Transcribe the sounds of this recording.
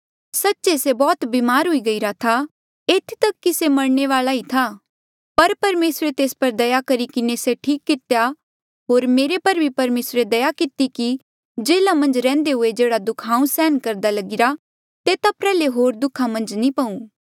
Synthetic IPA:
sɐtːt͡ʃesebɔːt̪biːmaːɾɦʊiɡɐiɾat̪ʰa | eːt̪ʰt̪ɐkːisemɐɽɳeʋaːlait̪ʰa | pɐɾpɐɾmeːsɾet̪eːspɐɾd̪ɐjakɐɾikɪneseʈʰiːkːɪt̪eja | ɦoːɾmeːɾepɐɾbʱipɐɾmeːsɾed̪ɐjakɪt̪iki | d͡ʒeːlamɐ̃nd͡ʒɾɛ̃ːnd̪eɦʊed͡ʒeːɽad̪ʊkʰãːũsɛːnkɐɾd̪alɐɡɪɾa | t̪et̪apɾɛːleɦoːɾd̪ʊkʰamɐ̃nd͡ʒnĩpɐ̃ũː

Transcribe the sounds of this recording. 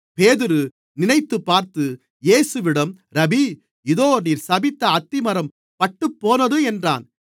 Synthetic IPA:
peːðɪɾɯ | nɪnɐɪt̪ːɯpːaːɾt̪ɯ | jeːsɯʋɪɽɐm | ɾɐbi | ɪðoːniːɾsɐbɪt̪ːɐːt̪ːɪmɐɾɐm | pɐʈːɯpːoːnɐðɯɛndra̰ːn

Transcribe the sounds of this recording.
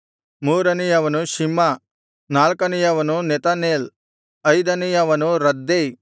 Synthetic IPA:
muːɾɐnijɐʋɐnuʃimːɐ | naːlkɐnijɐʋɐnunɛt̪ɐneːl | ɐjd̪ɐnijɐʋɐnuɾɐd̪ːe

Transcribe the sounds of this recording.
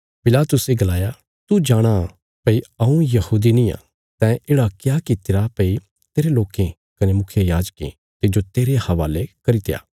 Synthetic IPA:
pɪlaːt̪ʊseɡɐlaːja | t̪ud͡ʒaːɽ̃a | pɐiɐũjɐhuːd̪inĩjã̰ | t̪ɛ̃ʔeːɽakjaːkit̪ɪɾapɐi | t̪eːɾeloːkẽ | kɐnemʊkʰjejaːd͡ʒkḛ̃ | t̪ɪd͡ʒot̪eːɾehɐʋaːlekɐɾit̪eja̰ː

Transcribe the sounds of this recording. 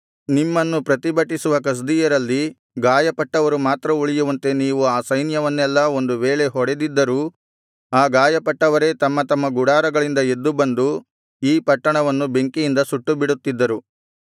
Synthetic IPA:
nimːɐnːupɾɐt̪ibɐʈisuʋɐkɐs̬d̪ijɐɾɐlːi | ɡaːjɐpɐʈːɐʋɐɾumaːt̪ɾɐuɭijuʋɐnt̪e̞niːʋuaːsɐjnjɐʋɐnːɛlːɐo̞nd̪uʋeːɭe̞ɦɔɽe̞d̪id̪ːɐɾuː | aːɡaːjɐpɐʈːɐʋɐɾe̞ːt̪ɐmːɐt̪ɐmːɐɡuɽaːɾɐɡɐɭind̪ɐe̞d̪ːubɐnd̪u | iːpɐʈːɐɳɐʋɐnːube̞ŋkijind̪ɐsuʈːubiɽut̪ːid̪ːɐɾu

